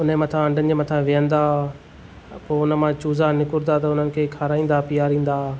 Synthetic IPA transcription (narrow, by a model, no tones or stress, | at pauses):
ʊnmɐt̪ʰãɐ̃ɳɖʱənɪ̆d͡ʑeːmɐt̪ʰãʋijə̃nd̪aː | poːʊnəmãt͡ɕuːzanɪkʊɾd̪at̪ɐʊn̤ənɪ̆kʰeːkʰaːɾaːĩːn̆d̪apijaːɾĩːn̆d̪aː